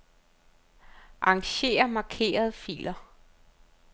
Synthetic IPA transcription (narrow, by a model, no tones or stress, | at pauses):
ʔɑ̈ŋɕe̝̰ːɐmɑ̈ːkʰe̝̰ːɐð̞ˠəfḭːlɐ